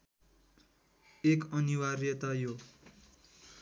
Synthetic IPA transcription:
ekʌniwarjʌt̪ajo

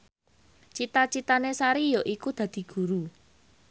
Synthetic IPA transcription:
t͡ʃit̪at͡ʃit̪anesaɾijɔʔikud̪̥ä̤d̪̥i̤ɡ̥ṳɾu

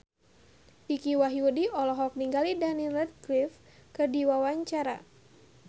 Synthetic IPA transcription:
ʔikiwaɦiudiɔlɔɦɔk̚niŋɡalidanilɛt̪̚klif | kɨrdiwawaɲt͡ʃaɾa̰

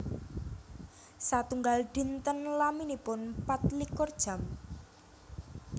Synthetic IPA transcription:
sat̪uŋɡalɖ̪̥i̤nt̪ənlaminipʊnpat̪̚likɔrd̥ʒ̥ä̤m

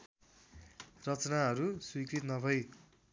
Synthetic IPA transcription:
rʌt͡snaɦʌɾuswikrit̪nʌbʱʌj

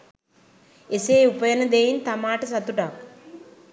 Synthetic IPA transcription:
eseːupəjənəd̪ejint̪amaːʈəsat̪uʈak

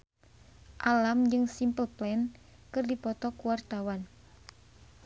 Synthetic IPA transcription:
ʔalamd͡ʒɨŋsimpəlplɛn | kɨrdipɔt̪ɔkuwart̪awan

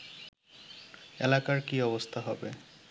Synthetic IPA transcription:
elakaɾkiɔbost̪ʰaɦɔbe

